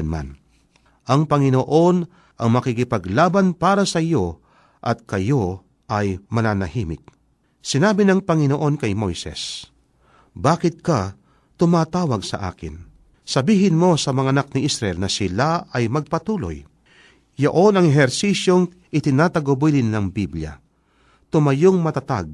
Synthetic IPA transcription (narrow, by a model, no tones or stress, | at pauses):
nma̰n | ʔɐŋpɐŋɪnoʔo̞n | ʔɐŋmɐkikɪpɐɡlaːbanpaːɾɐsɐɪjo̞ | ʔɐt̪̚kɐjo̞ | ʔɐjmɐnaːnɐhiːmɪ̰k̚ | sɪnaːbɪnɐŋpɐŋɪnoʔo̞nkɐjmo̞̰jsɛ̰s | baːkɪt̪̚kɐ | t̪ʊmaːt̪aːwɐɡsɐ̰ʔa̰ːkɪ̰n | sɐbiːɦɪnmo̞sɐmɐŋaɐnak̚nɪʔisɾɐʔɛlnɐsɪlaɐjmɐɡ̚pɐt̪uːlo̰j | joʔo̞nɐŋɛɦɛɾsiːsjo̞ŋ | ʔɪt̪ɪnaːt̪ɐɡobilɪnːɐŋbiblja̰ | t̪ʊmɐjoŋmɐt̪ɐt̪a̰ɡ̚